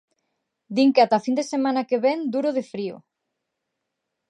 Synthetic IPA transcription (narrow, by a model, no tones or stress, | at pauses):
d̪iŋkeat̪afind̪esemãnakeβɛnd̪uɾoðefɾio̰